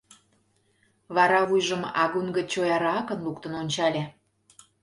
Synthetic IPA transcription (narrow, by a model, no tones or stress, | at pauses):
βɑɾɑvujʒə̆mɑ̰ɣunɡə̆t͡ɕojɑɾɑɑkənlukt̪ə̆nonʲt͡ɕɑlʲæ